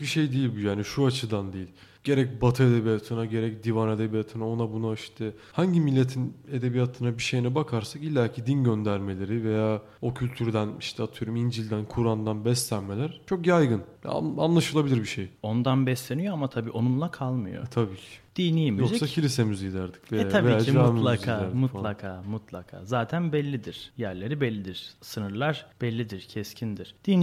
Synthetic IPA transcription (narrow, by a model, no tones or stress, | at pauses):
biʃe̞jd̪ijilʲbujaːniʃuat͡ʃʰɯd̪and̪eilʲ | ɟ̥e̞ɾɛc̚bat̪ʰɯed̪e̞bijat̪ʰɯnaɟe̞ɾɛc̚d̪ivane̞d̪ebijat̪ʰɯnao̞nabunaiʃt̪ʰɛ | haɲɟimilʲːe̞t̪ʰine̞d̪e̞bijat̪ʰɯnabiʃe̞jinɛbakʰaɾsakilʲːæcʰid̪inɟønd̪æɾme̞lʲe̞ɾive̞jaː | o̞cʰylʲt̪ʰyɾd̪æniʃt̪ʰɛat̪ʰɯjoɾumind͡ʒilʲd̪ænkʰuɾand̪anbɛslʲænme̞lʲæɾ̥t͡ʃʰo̞kjajɡɯnj̰a̰nlˠaʃɯlˠabilʲiɾbiʃejo̞nd̪anbɛslʲenijo̞amat̪ʰabḭːʔo̞nunlˠakʰalˠmɯjo̰t̪ʰabiːcʰɪ̥d̪̥iːnijimijozsaccʰilʲisemyzjid̪æɾd̪i̥cveaabvejijaːaːmmlˠazkʰaːæɾmulˠakʰaːmut̪lˠa̰kʰa̰ːzaːt̪ʰænbɛlʲːid̪iɾ̥jæɾlʲe̞ɾibɛlʲːid̪iɾ̥sɯnɯɾlˠaɾ̥b̥ɛlʲːid̪iɾ̥cʰɛscʰind̪iɾ̥d̪̥iːn